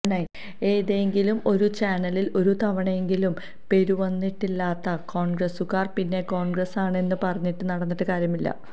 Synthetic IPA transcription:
nɐj | eːðeŋɡilumo̞ɾut͡ɕaːnɐlilo̞ɾut̪ʰɐʋɐɳɐeŋɡilum | pe̞ɾuʋɐnːiʈːilːaːt̪ːɐko̞ːɳɡrɐsukːaːrpinːe̞ko̞ːɳɡrɐsaːɳe̞nːɨpɐrɐɲːiʈːɨnɐɽɐnːiʈːɨkaːɾjɐmilːɐ̰

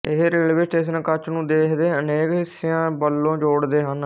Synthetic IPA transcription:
ɪɦɾelʋɪsʈeːʃ̬ənkət͡ʃnũːd̪eːkʰd̪eːəneːkɪsɪãːbəlːõːd͡ʒoːɽd̪eːɦən

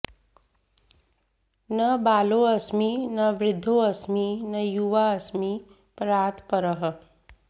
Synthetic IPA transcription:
nəbaːloɐsminɐʋɾɪd̪ʱːoɐsminɐjuʋaɐsmi | pɾaːt̪ʰpəɾəɦə

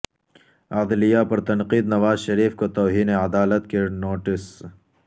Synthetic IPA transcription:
ad̪lijapɐɾt̪ɐnqiːd̪nɐʋaːzʃɐɾiːfkot̪oːɦiːneɐd̪aːlət̪kenoːʈɪs

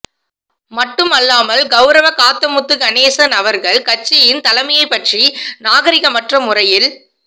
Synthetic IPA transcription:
mɐʈːɯmɐlːaːmɐlɡɐʊɾɐʋɐkaːt̪ːɐmʊt̪ːɯkɐneːsɐnɐʋɐɾɣɐɭkɐt͡ʃːɐjɪnt̪ɐlɐmɐjɐɪpːɐʈrinaːɣɐɾɪɣɐmɐʈrɐmʊrɐjɪl

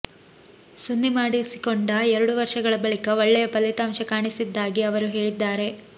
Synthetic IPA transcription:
sunːimaːɽisi̥koɳɖɐɛɾɐɽuʋɐɾʂɐɡɐɭɐbɐɭikɐʋɐɭːɛjɐpɐlːit̪aːmʃɐkaːɳisid̪ːaːɡiɐʋɐɾuɦe̞ːɭid̪ːaːɾe̞

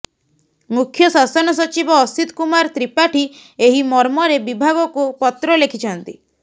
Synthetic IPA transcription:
mukʰjɔsasɔnɔsɔt͡ʃibɔːsit̪kumaɾt̪ɾipaʈʰi | eɦimɔɾmɔɾebibʱaɡɔkupɔt̪ɾɔlekʰit͡ʃʰɔnt̪i

